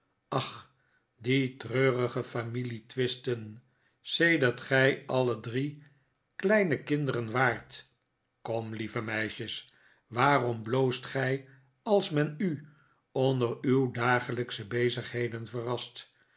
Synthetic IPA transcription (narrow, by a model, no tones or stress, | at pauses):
ɑχ | ditrøːrəχəfamilitʋɪstən | sejdəʁtχɛjɑlədri | klɛjnəkɪndəɾənʋaːɹt | kɔmlivəmɛjʃəs | ʋaːrɔmblowstχɛj | ɑlˠsmɛny | ondəɾywdaːχələksəbejzəχɦejdənvərɑst